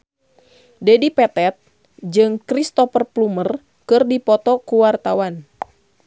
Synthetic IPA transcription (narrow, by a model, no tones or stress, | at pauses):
dɛdipɛt̪ɛt̪̚ | d͡ʒɨŋkɾist̪ɔfərplumər | kɨrdipɔt̪ɔkuwart̪awan